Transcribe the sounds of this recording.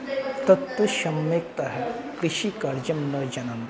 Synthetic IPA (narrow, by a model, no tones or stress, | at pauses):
t̪ɐt̪ʋɐʃɐmːeːkt̪ɐɦɛ | kɾiʃikɐɾd͡ʒɐmnɐd͡ʒɐnɐnt̪